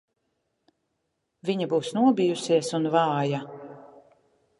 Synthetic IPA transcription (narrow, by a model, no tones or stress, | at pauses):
viɲabuːsnuɔbijusiɛsunvɑːja